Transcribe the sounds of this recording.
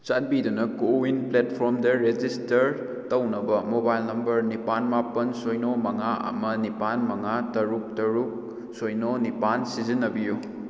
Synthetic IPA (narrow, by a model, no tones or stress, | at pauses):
t͡ʃat̚bidunɐkowinpletpʰoɾmdeɾed͡ʒistɐɾ | tɐwnɐbɐmobajlnɐmbɐɾnipanmapɐnsojnomɐŋaɐ̰mɐnipanmɐŋatɐɾuk̚tɐɾuk̚ | sojnonipansizinːɐbiju